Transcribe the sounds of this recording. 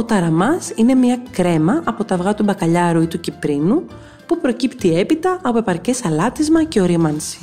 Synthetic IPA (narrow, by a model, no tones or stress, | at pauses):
o̞t̪ɐɾɐmɐsine̞mɲɐkɾe̞mɐʔɐpo̞t̪ɐvɣɐt̪ubɐkɐʎɐɾuit̪ucipɾinu | pupɾo̞cipt̪ie̞pit̪ɐʔɐpoe̞pɐɾce̞sɐlɐt̪izmɐceo̞ɾimɐnsi̥